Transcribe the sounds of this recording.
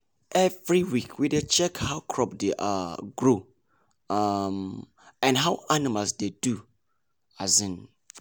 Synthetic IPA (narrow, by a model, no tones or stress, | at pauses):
ʔɛvɹiwikʰwidet͡ʃɛkhawkʰɹɔp̚deʔa̰ɡɹo | am | ɛ̃nɦawanimalsdedu | azĩn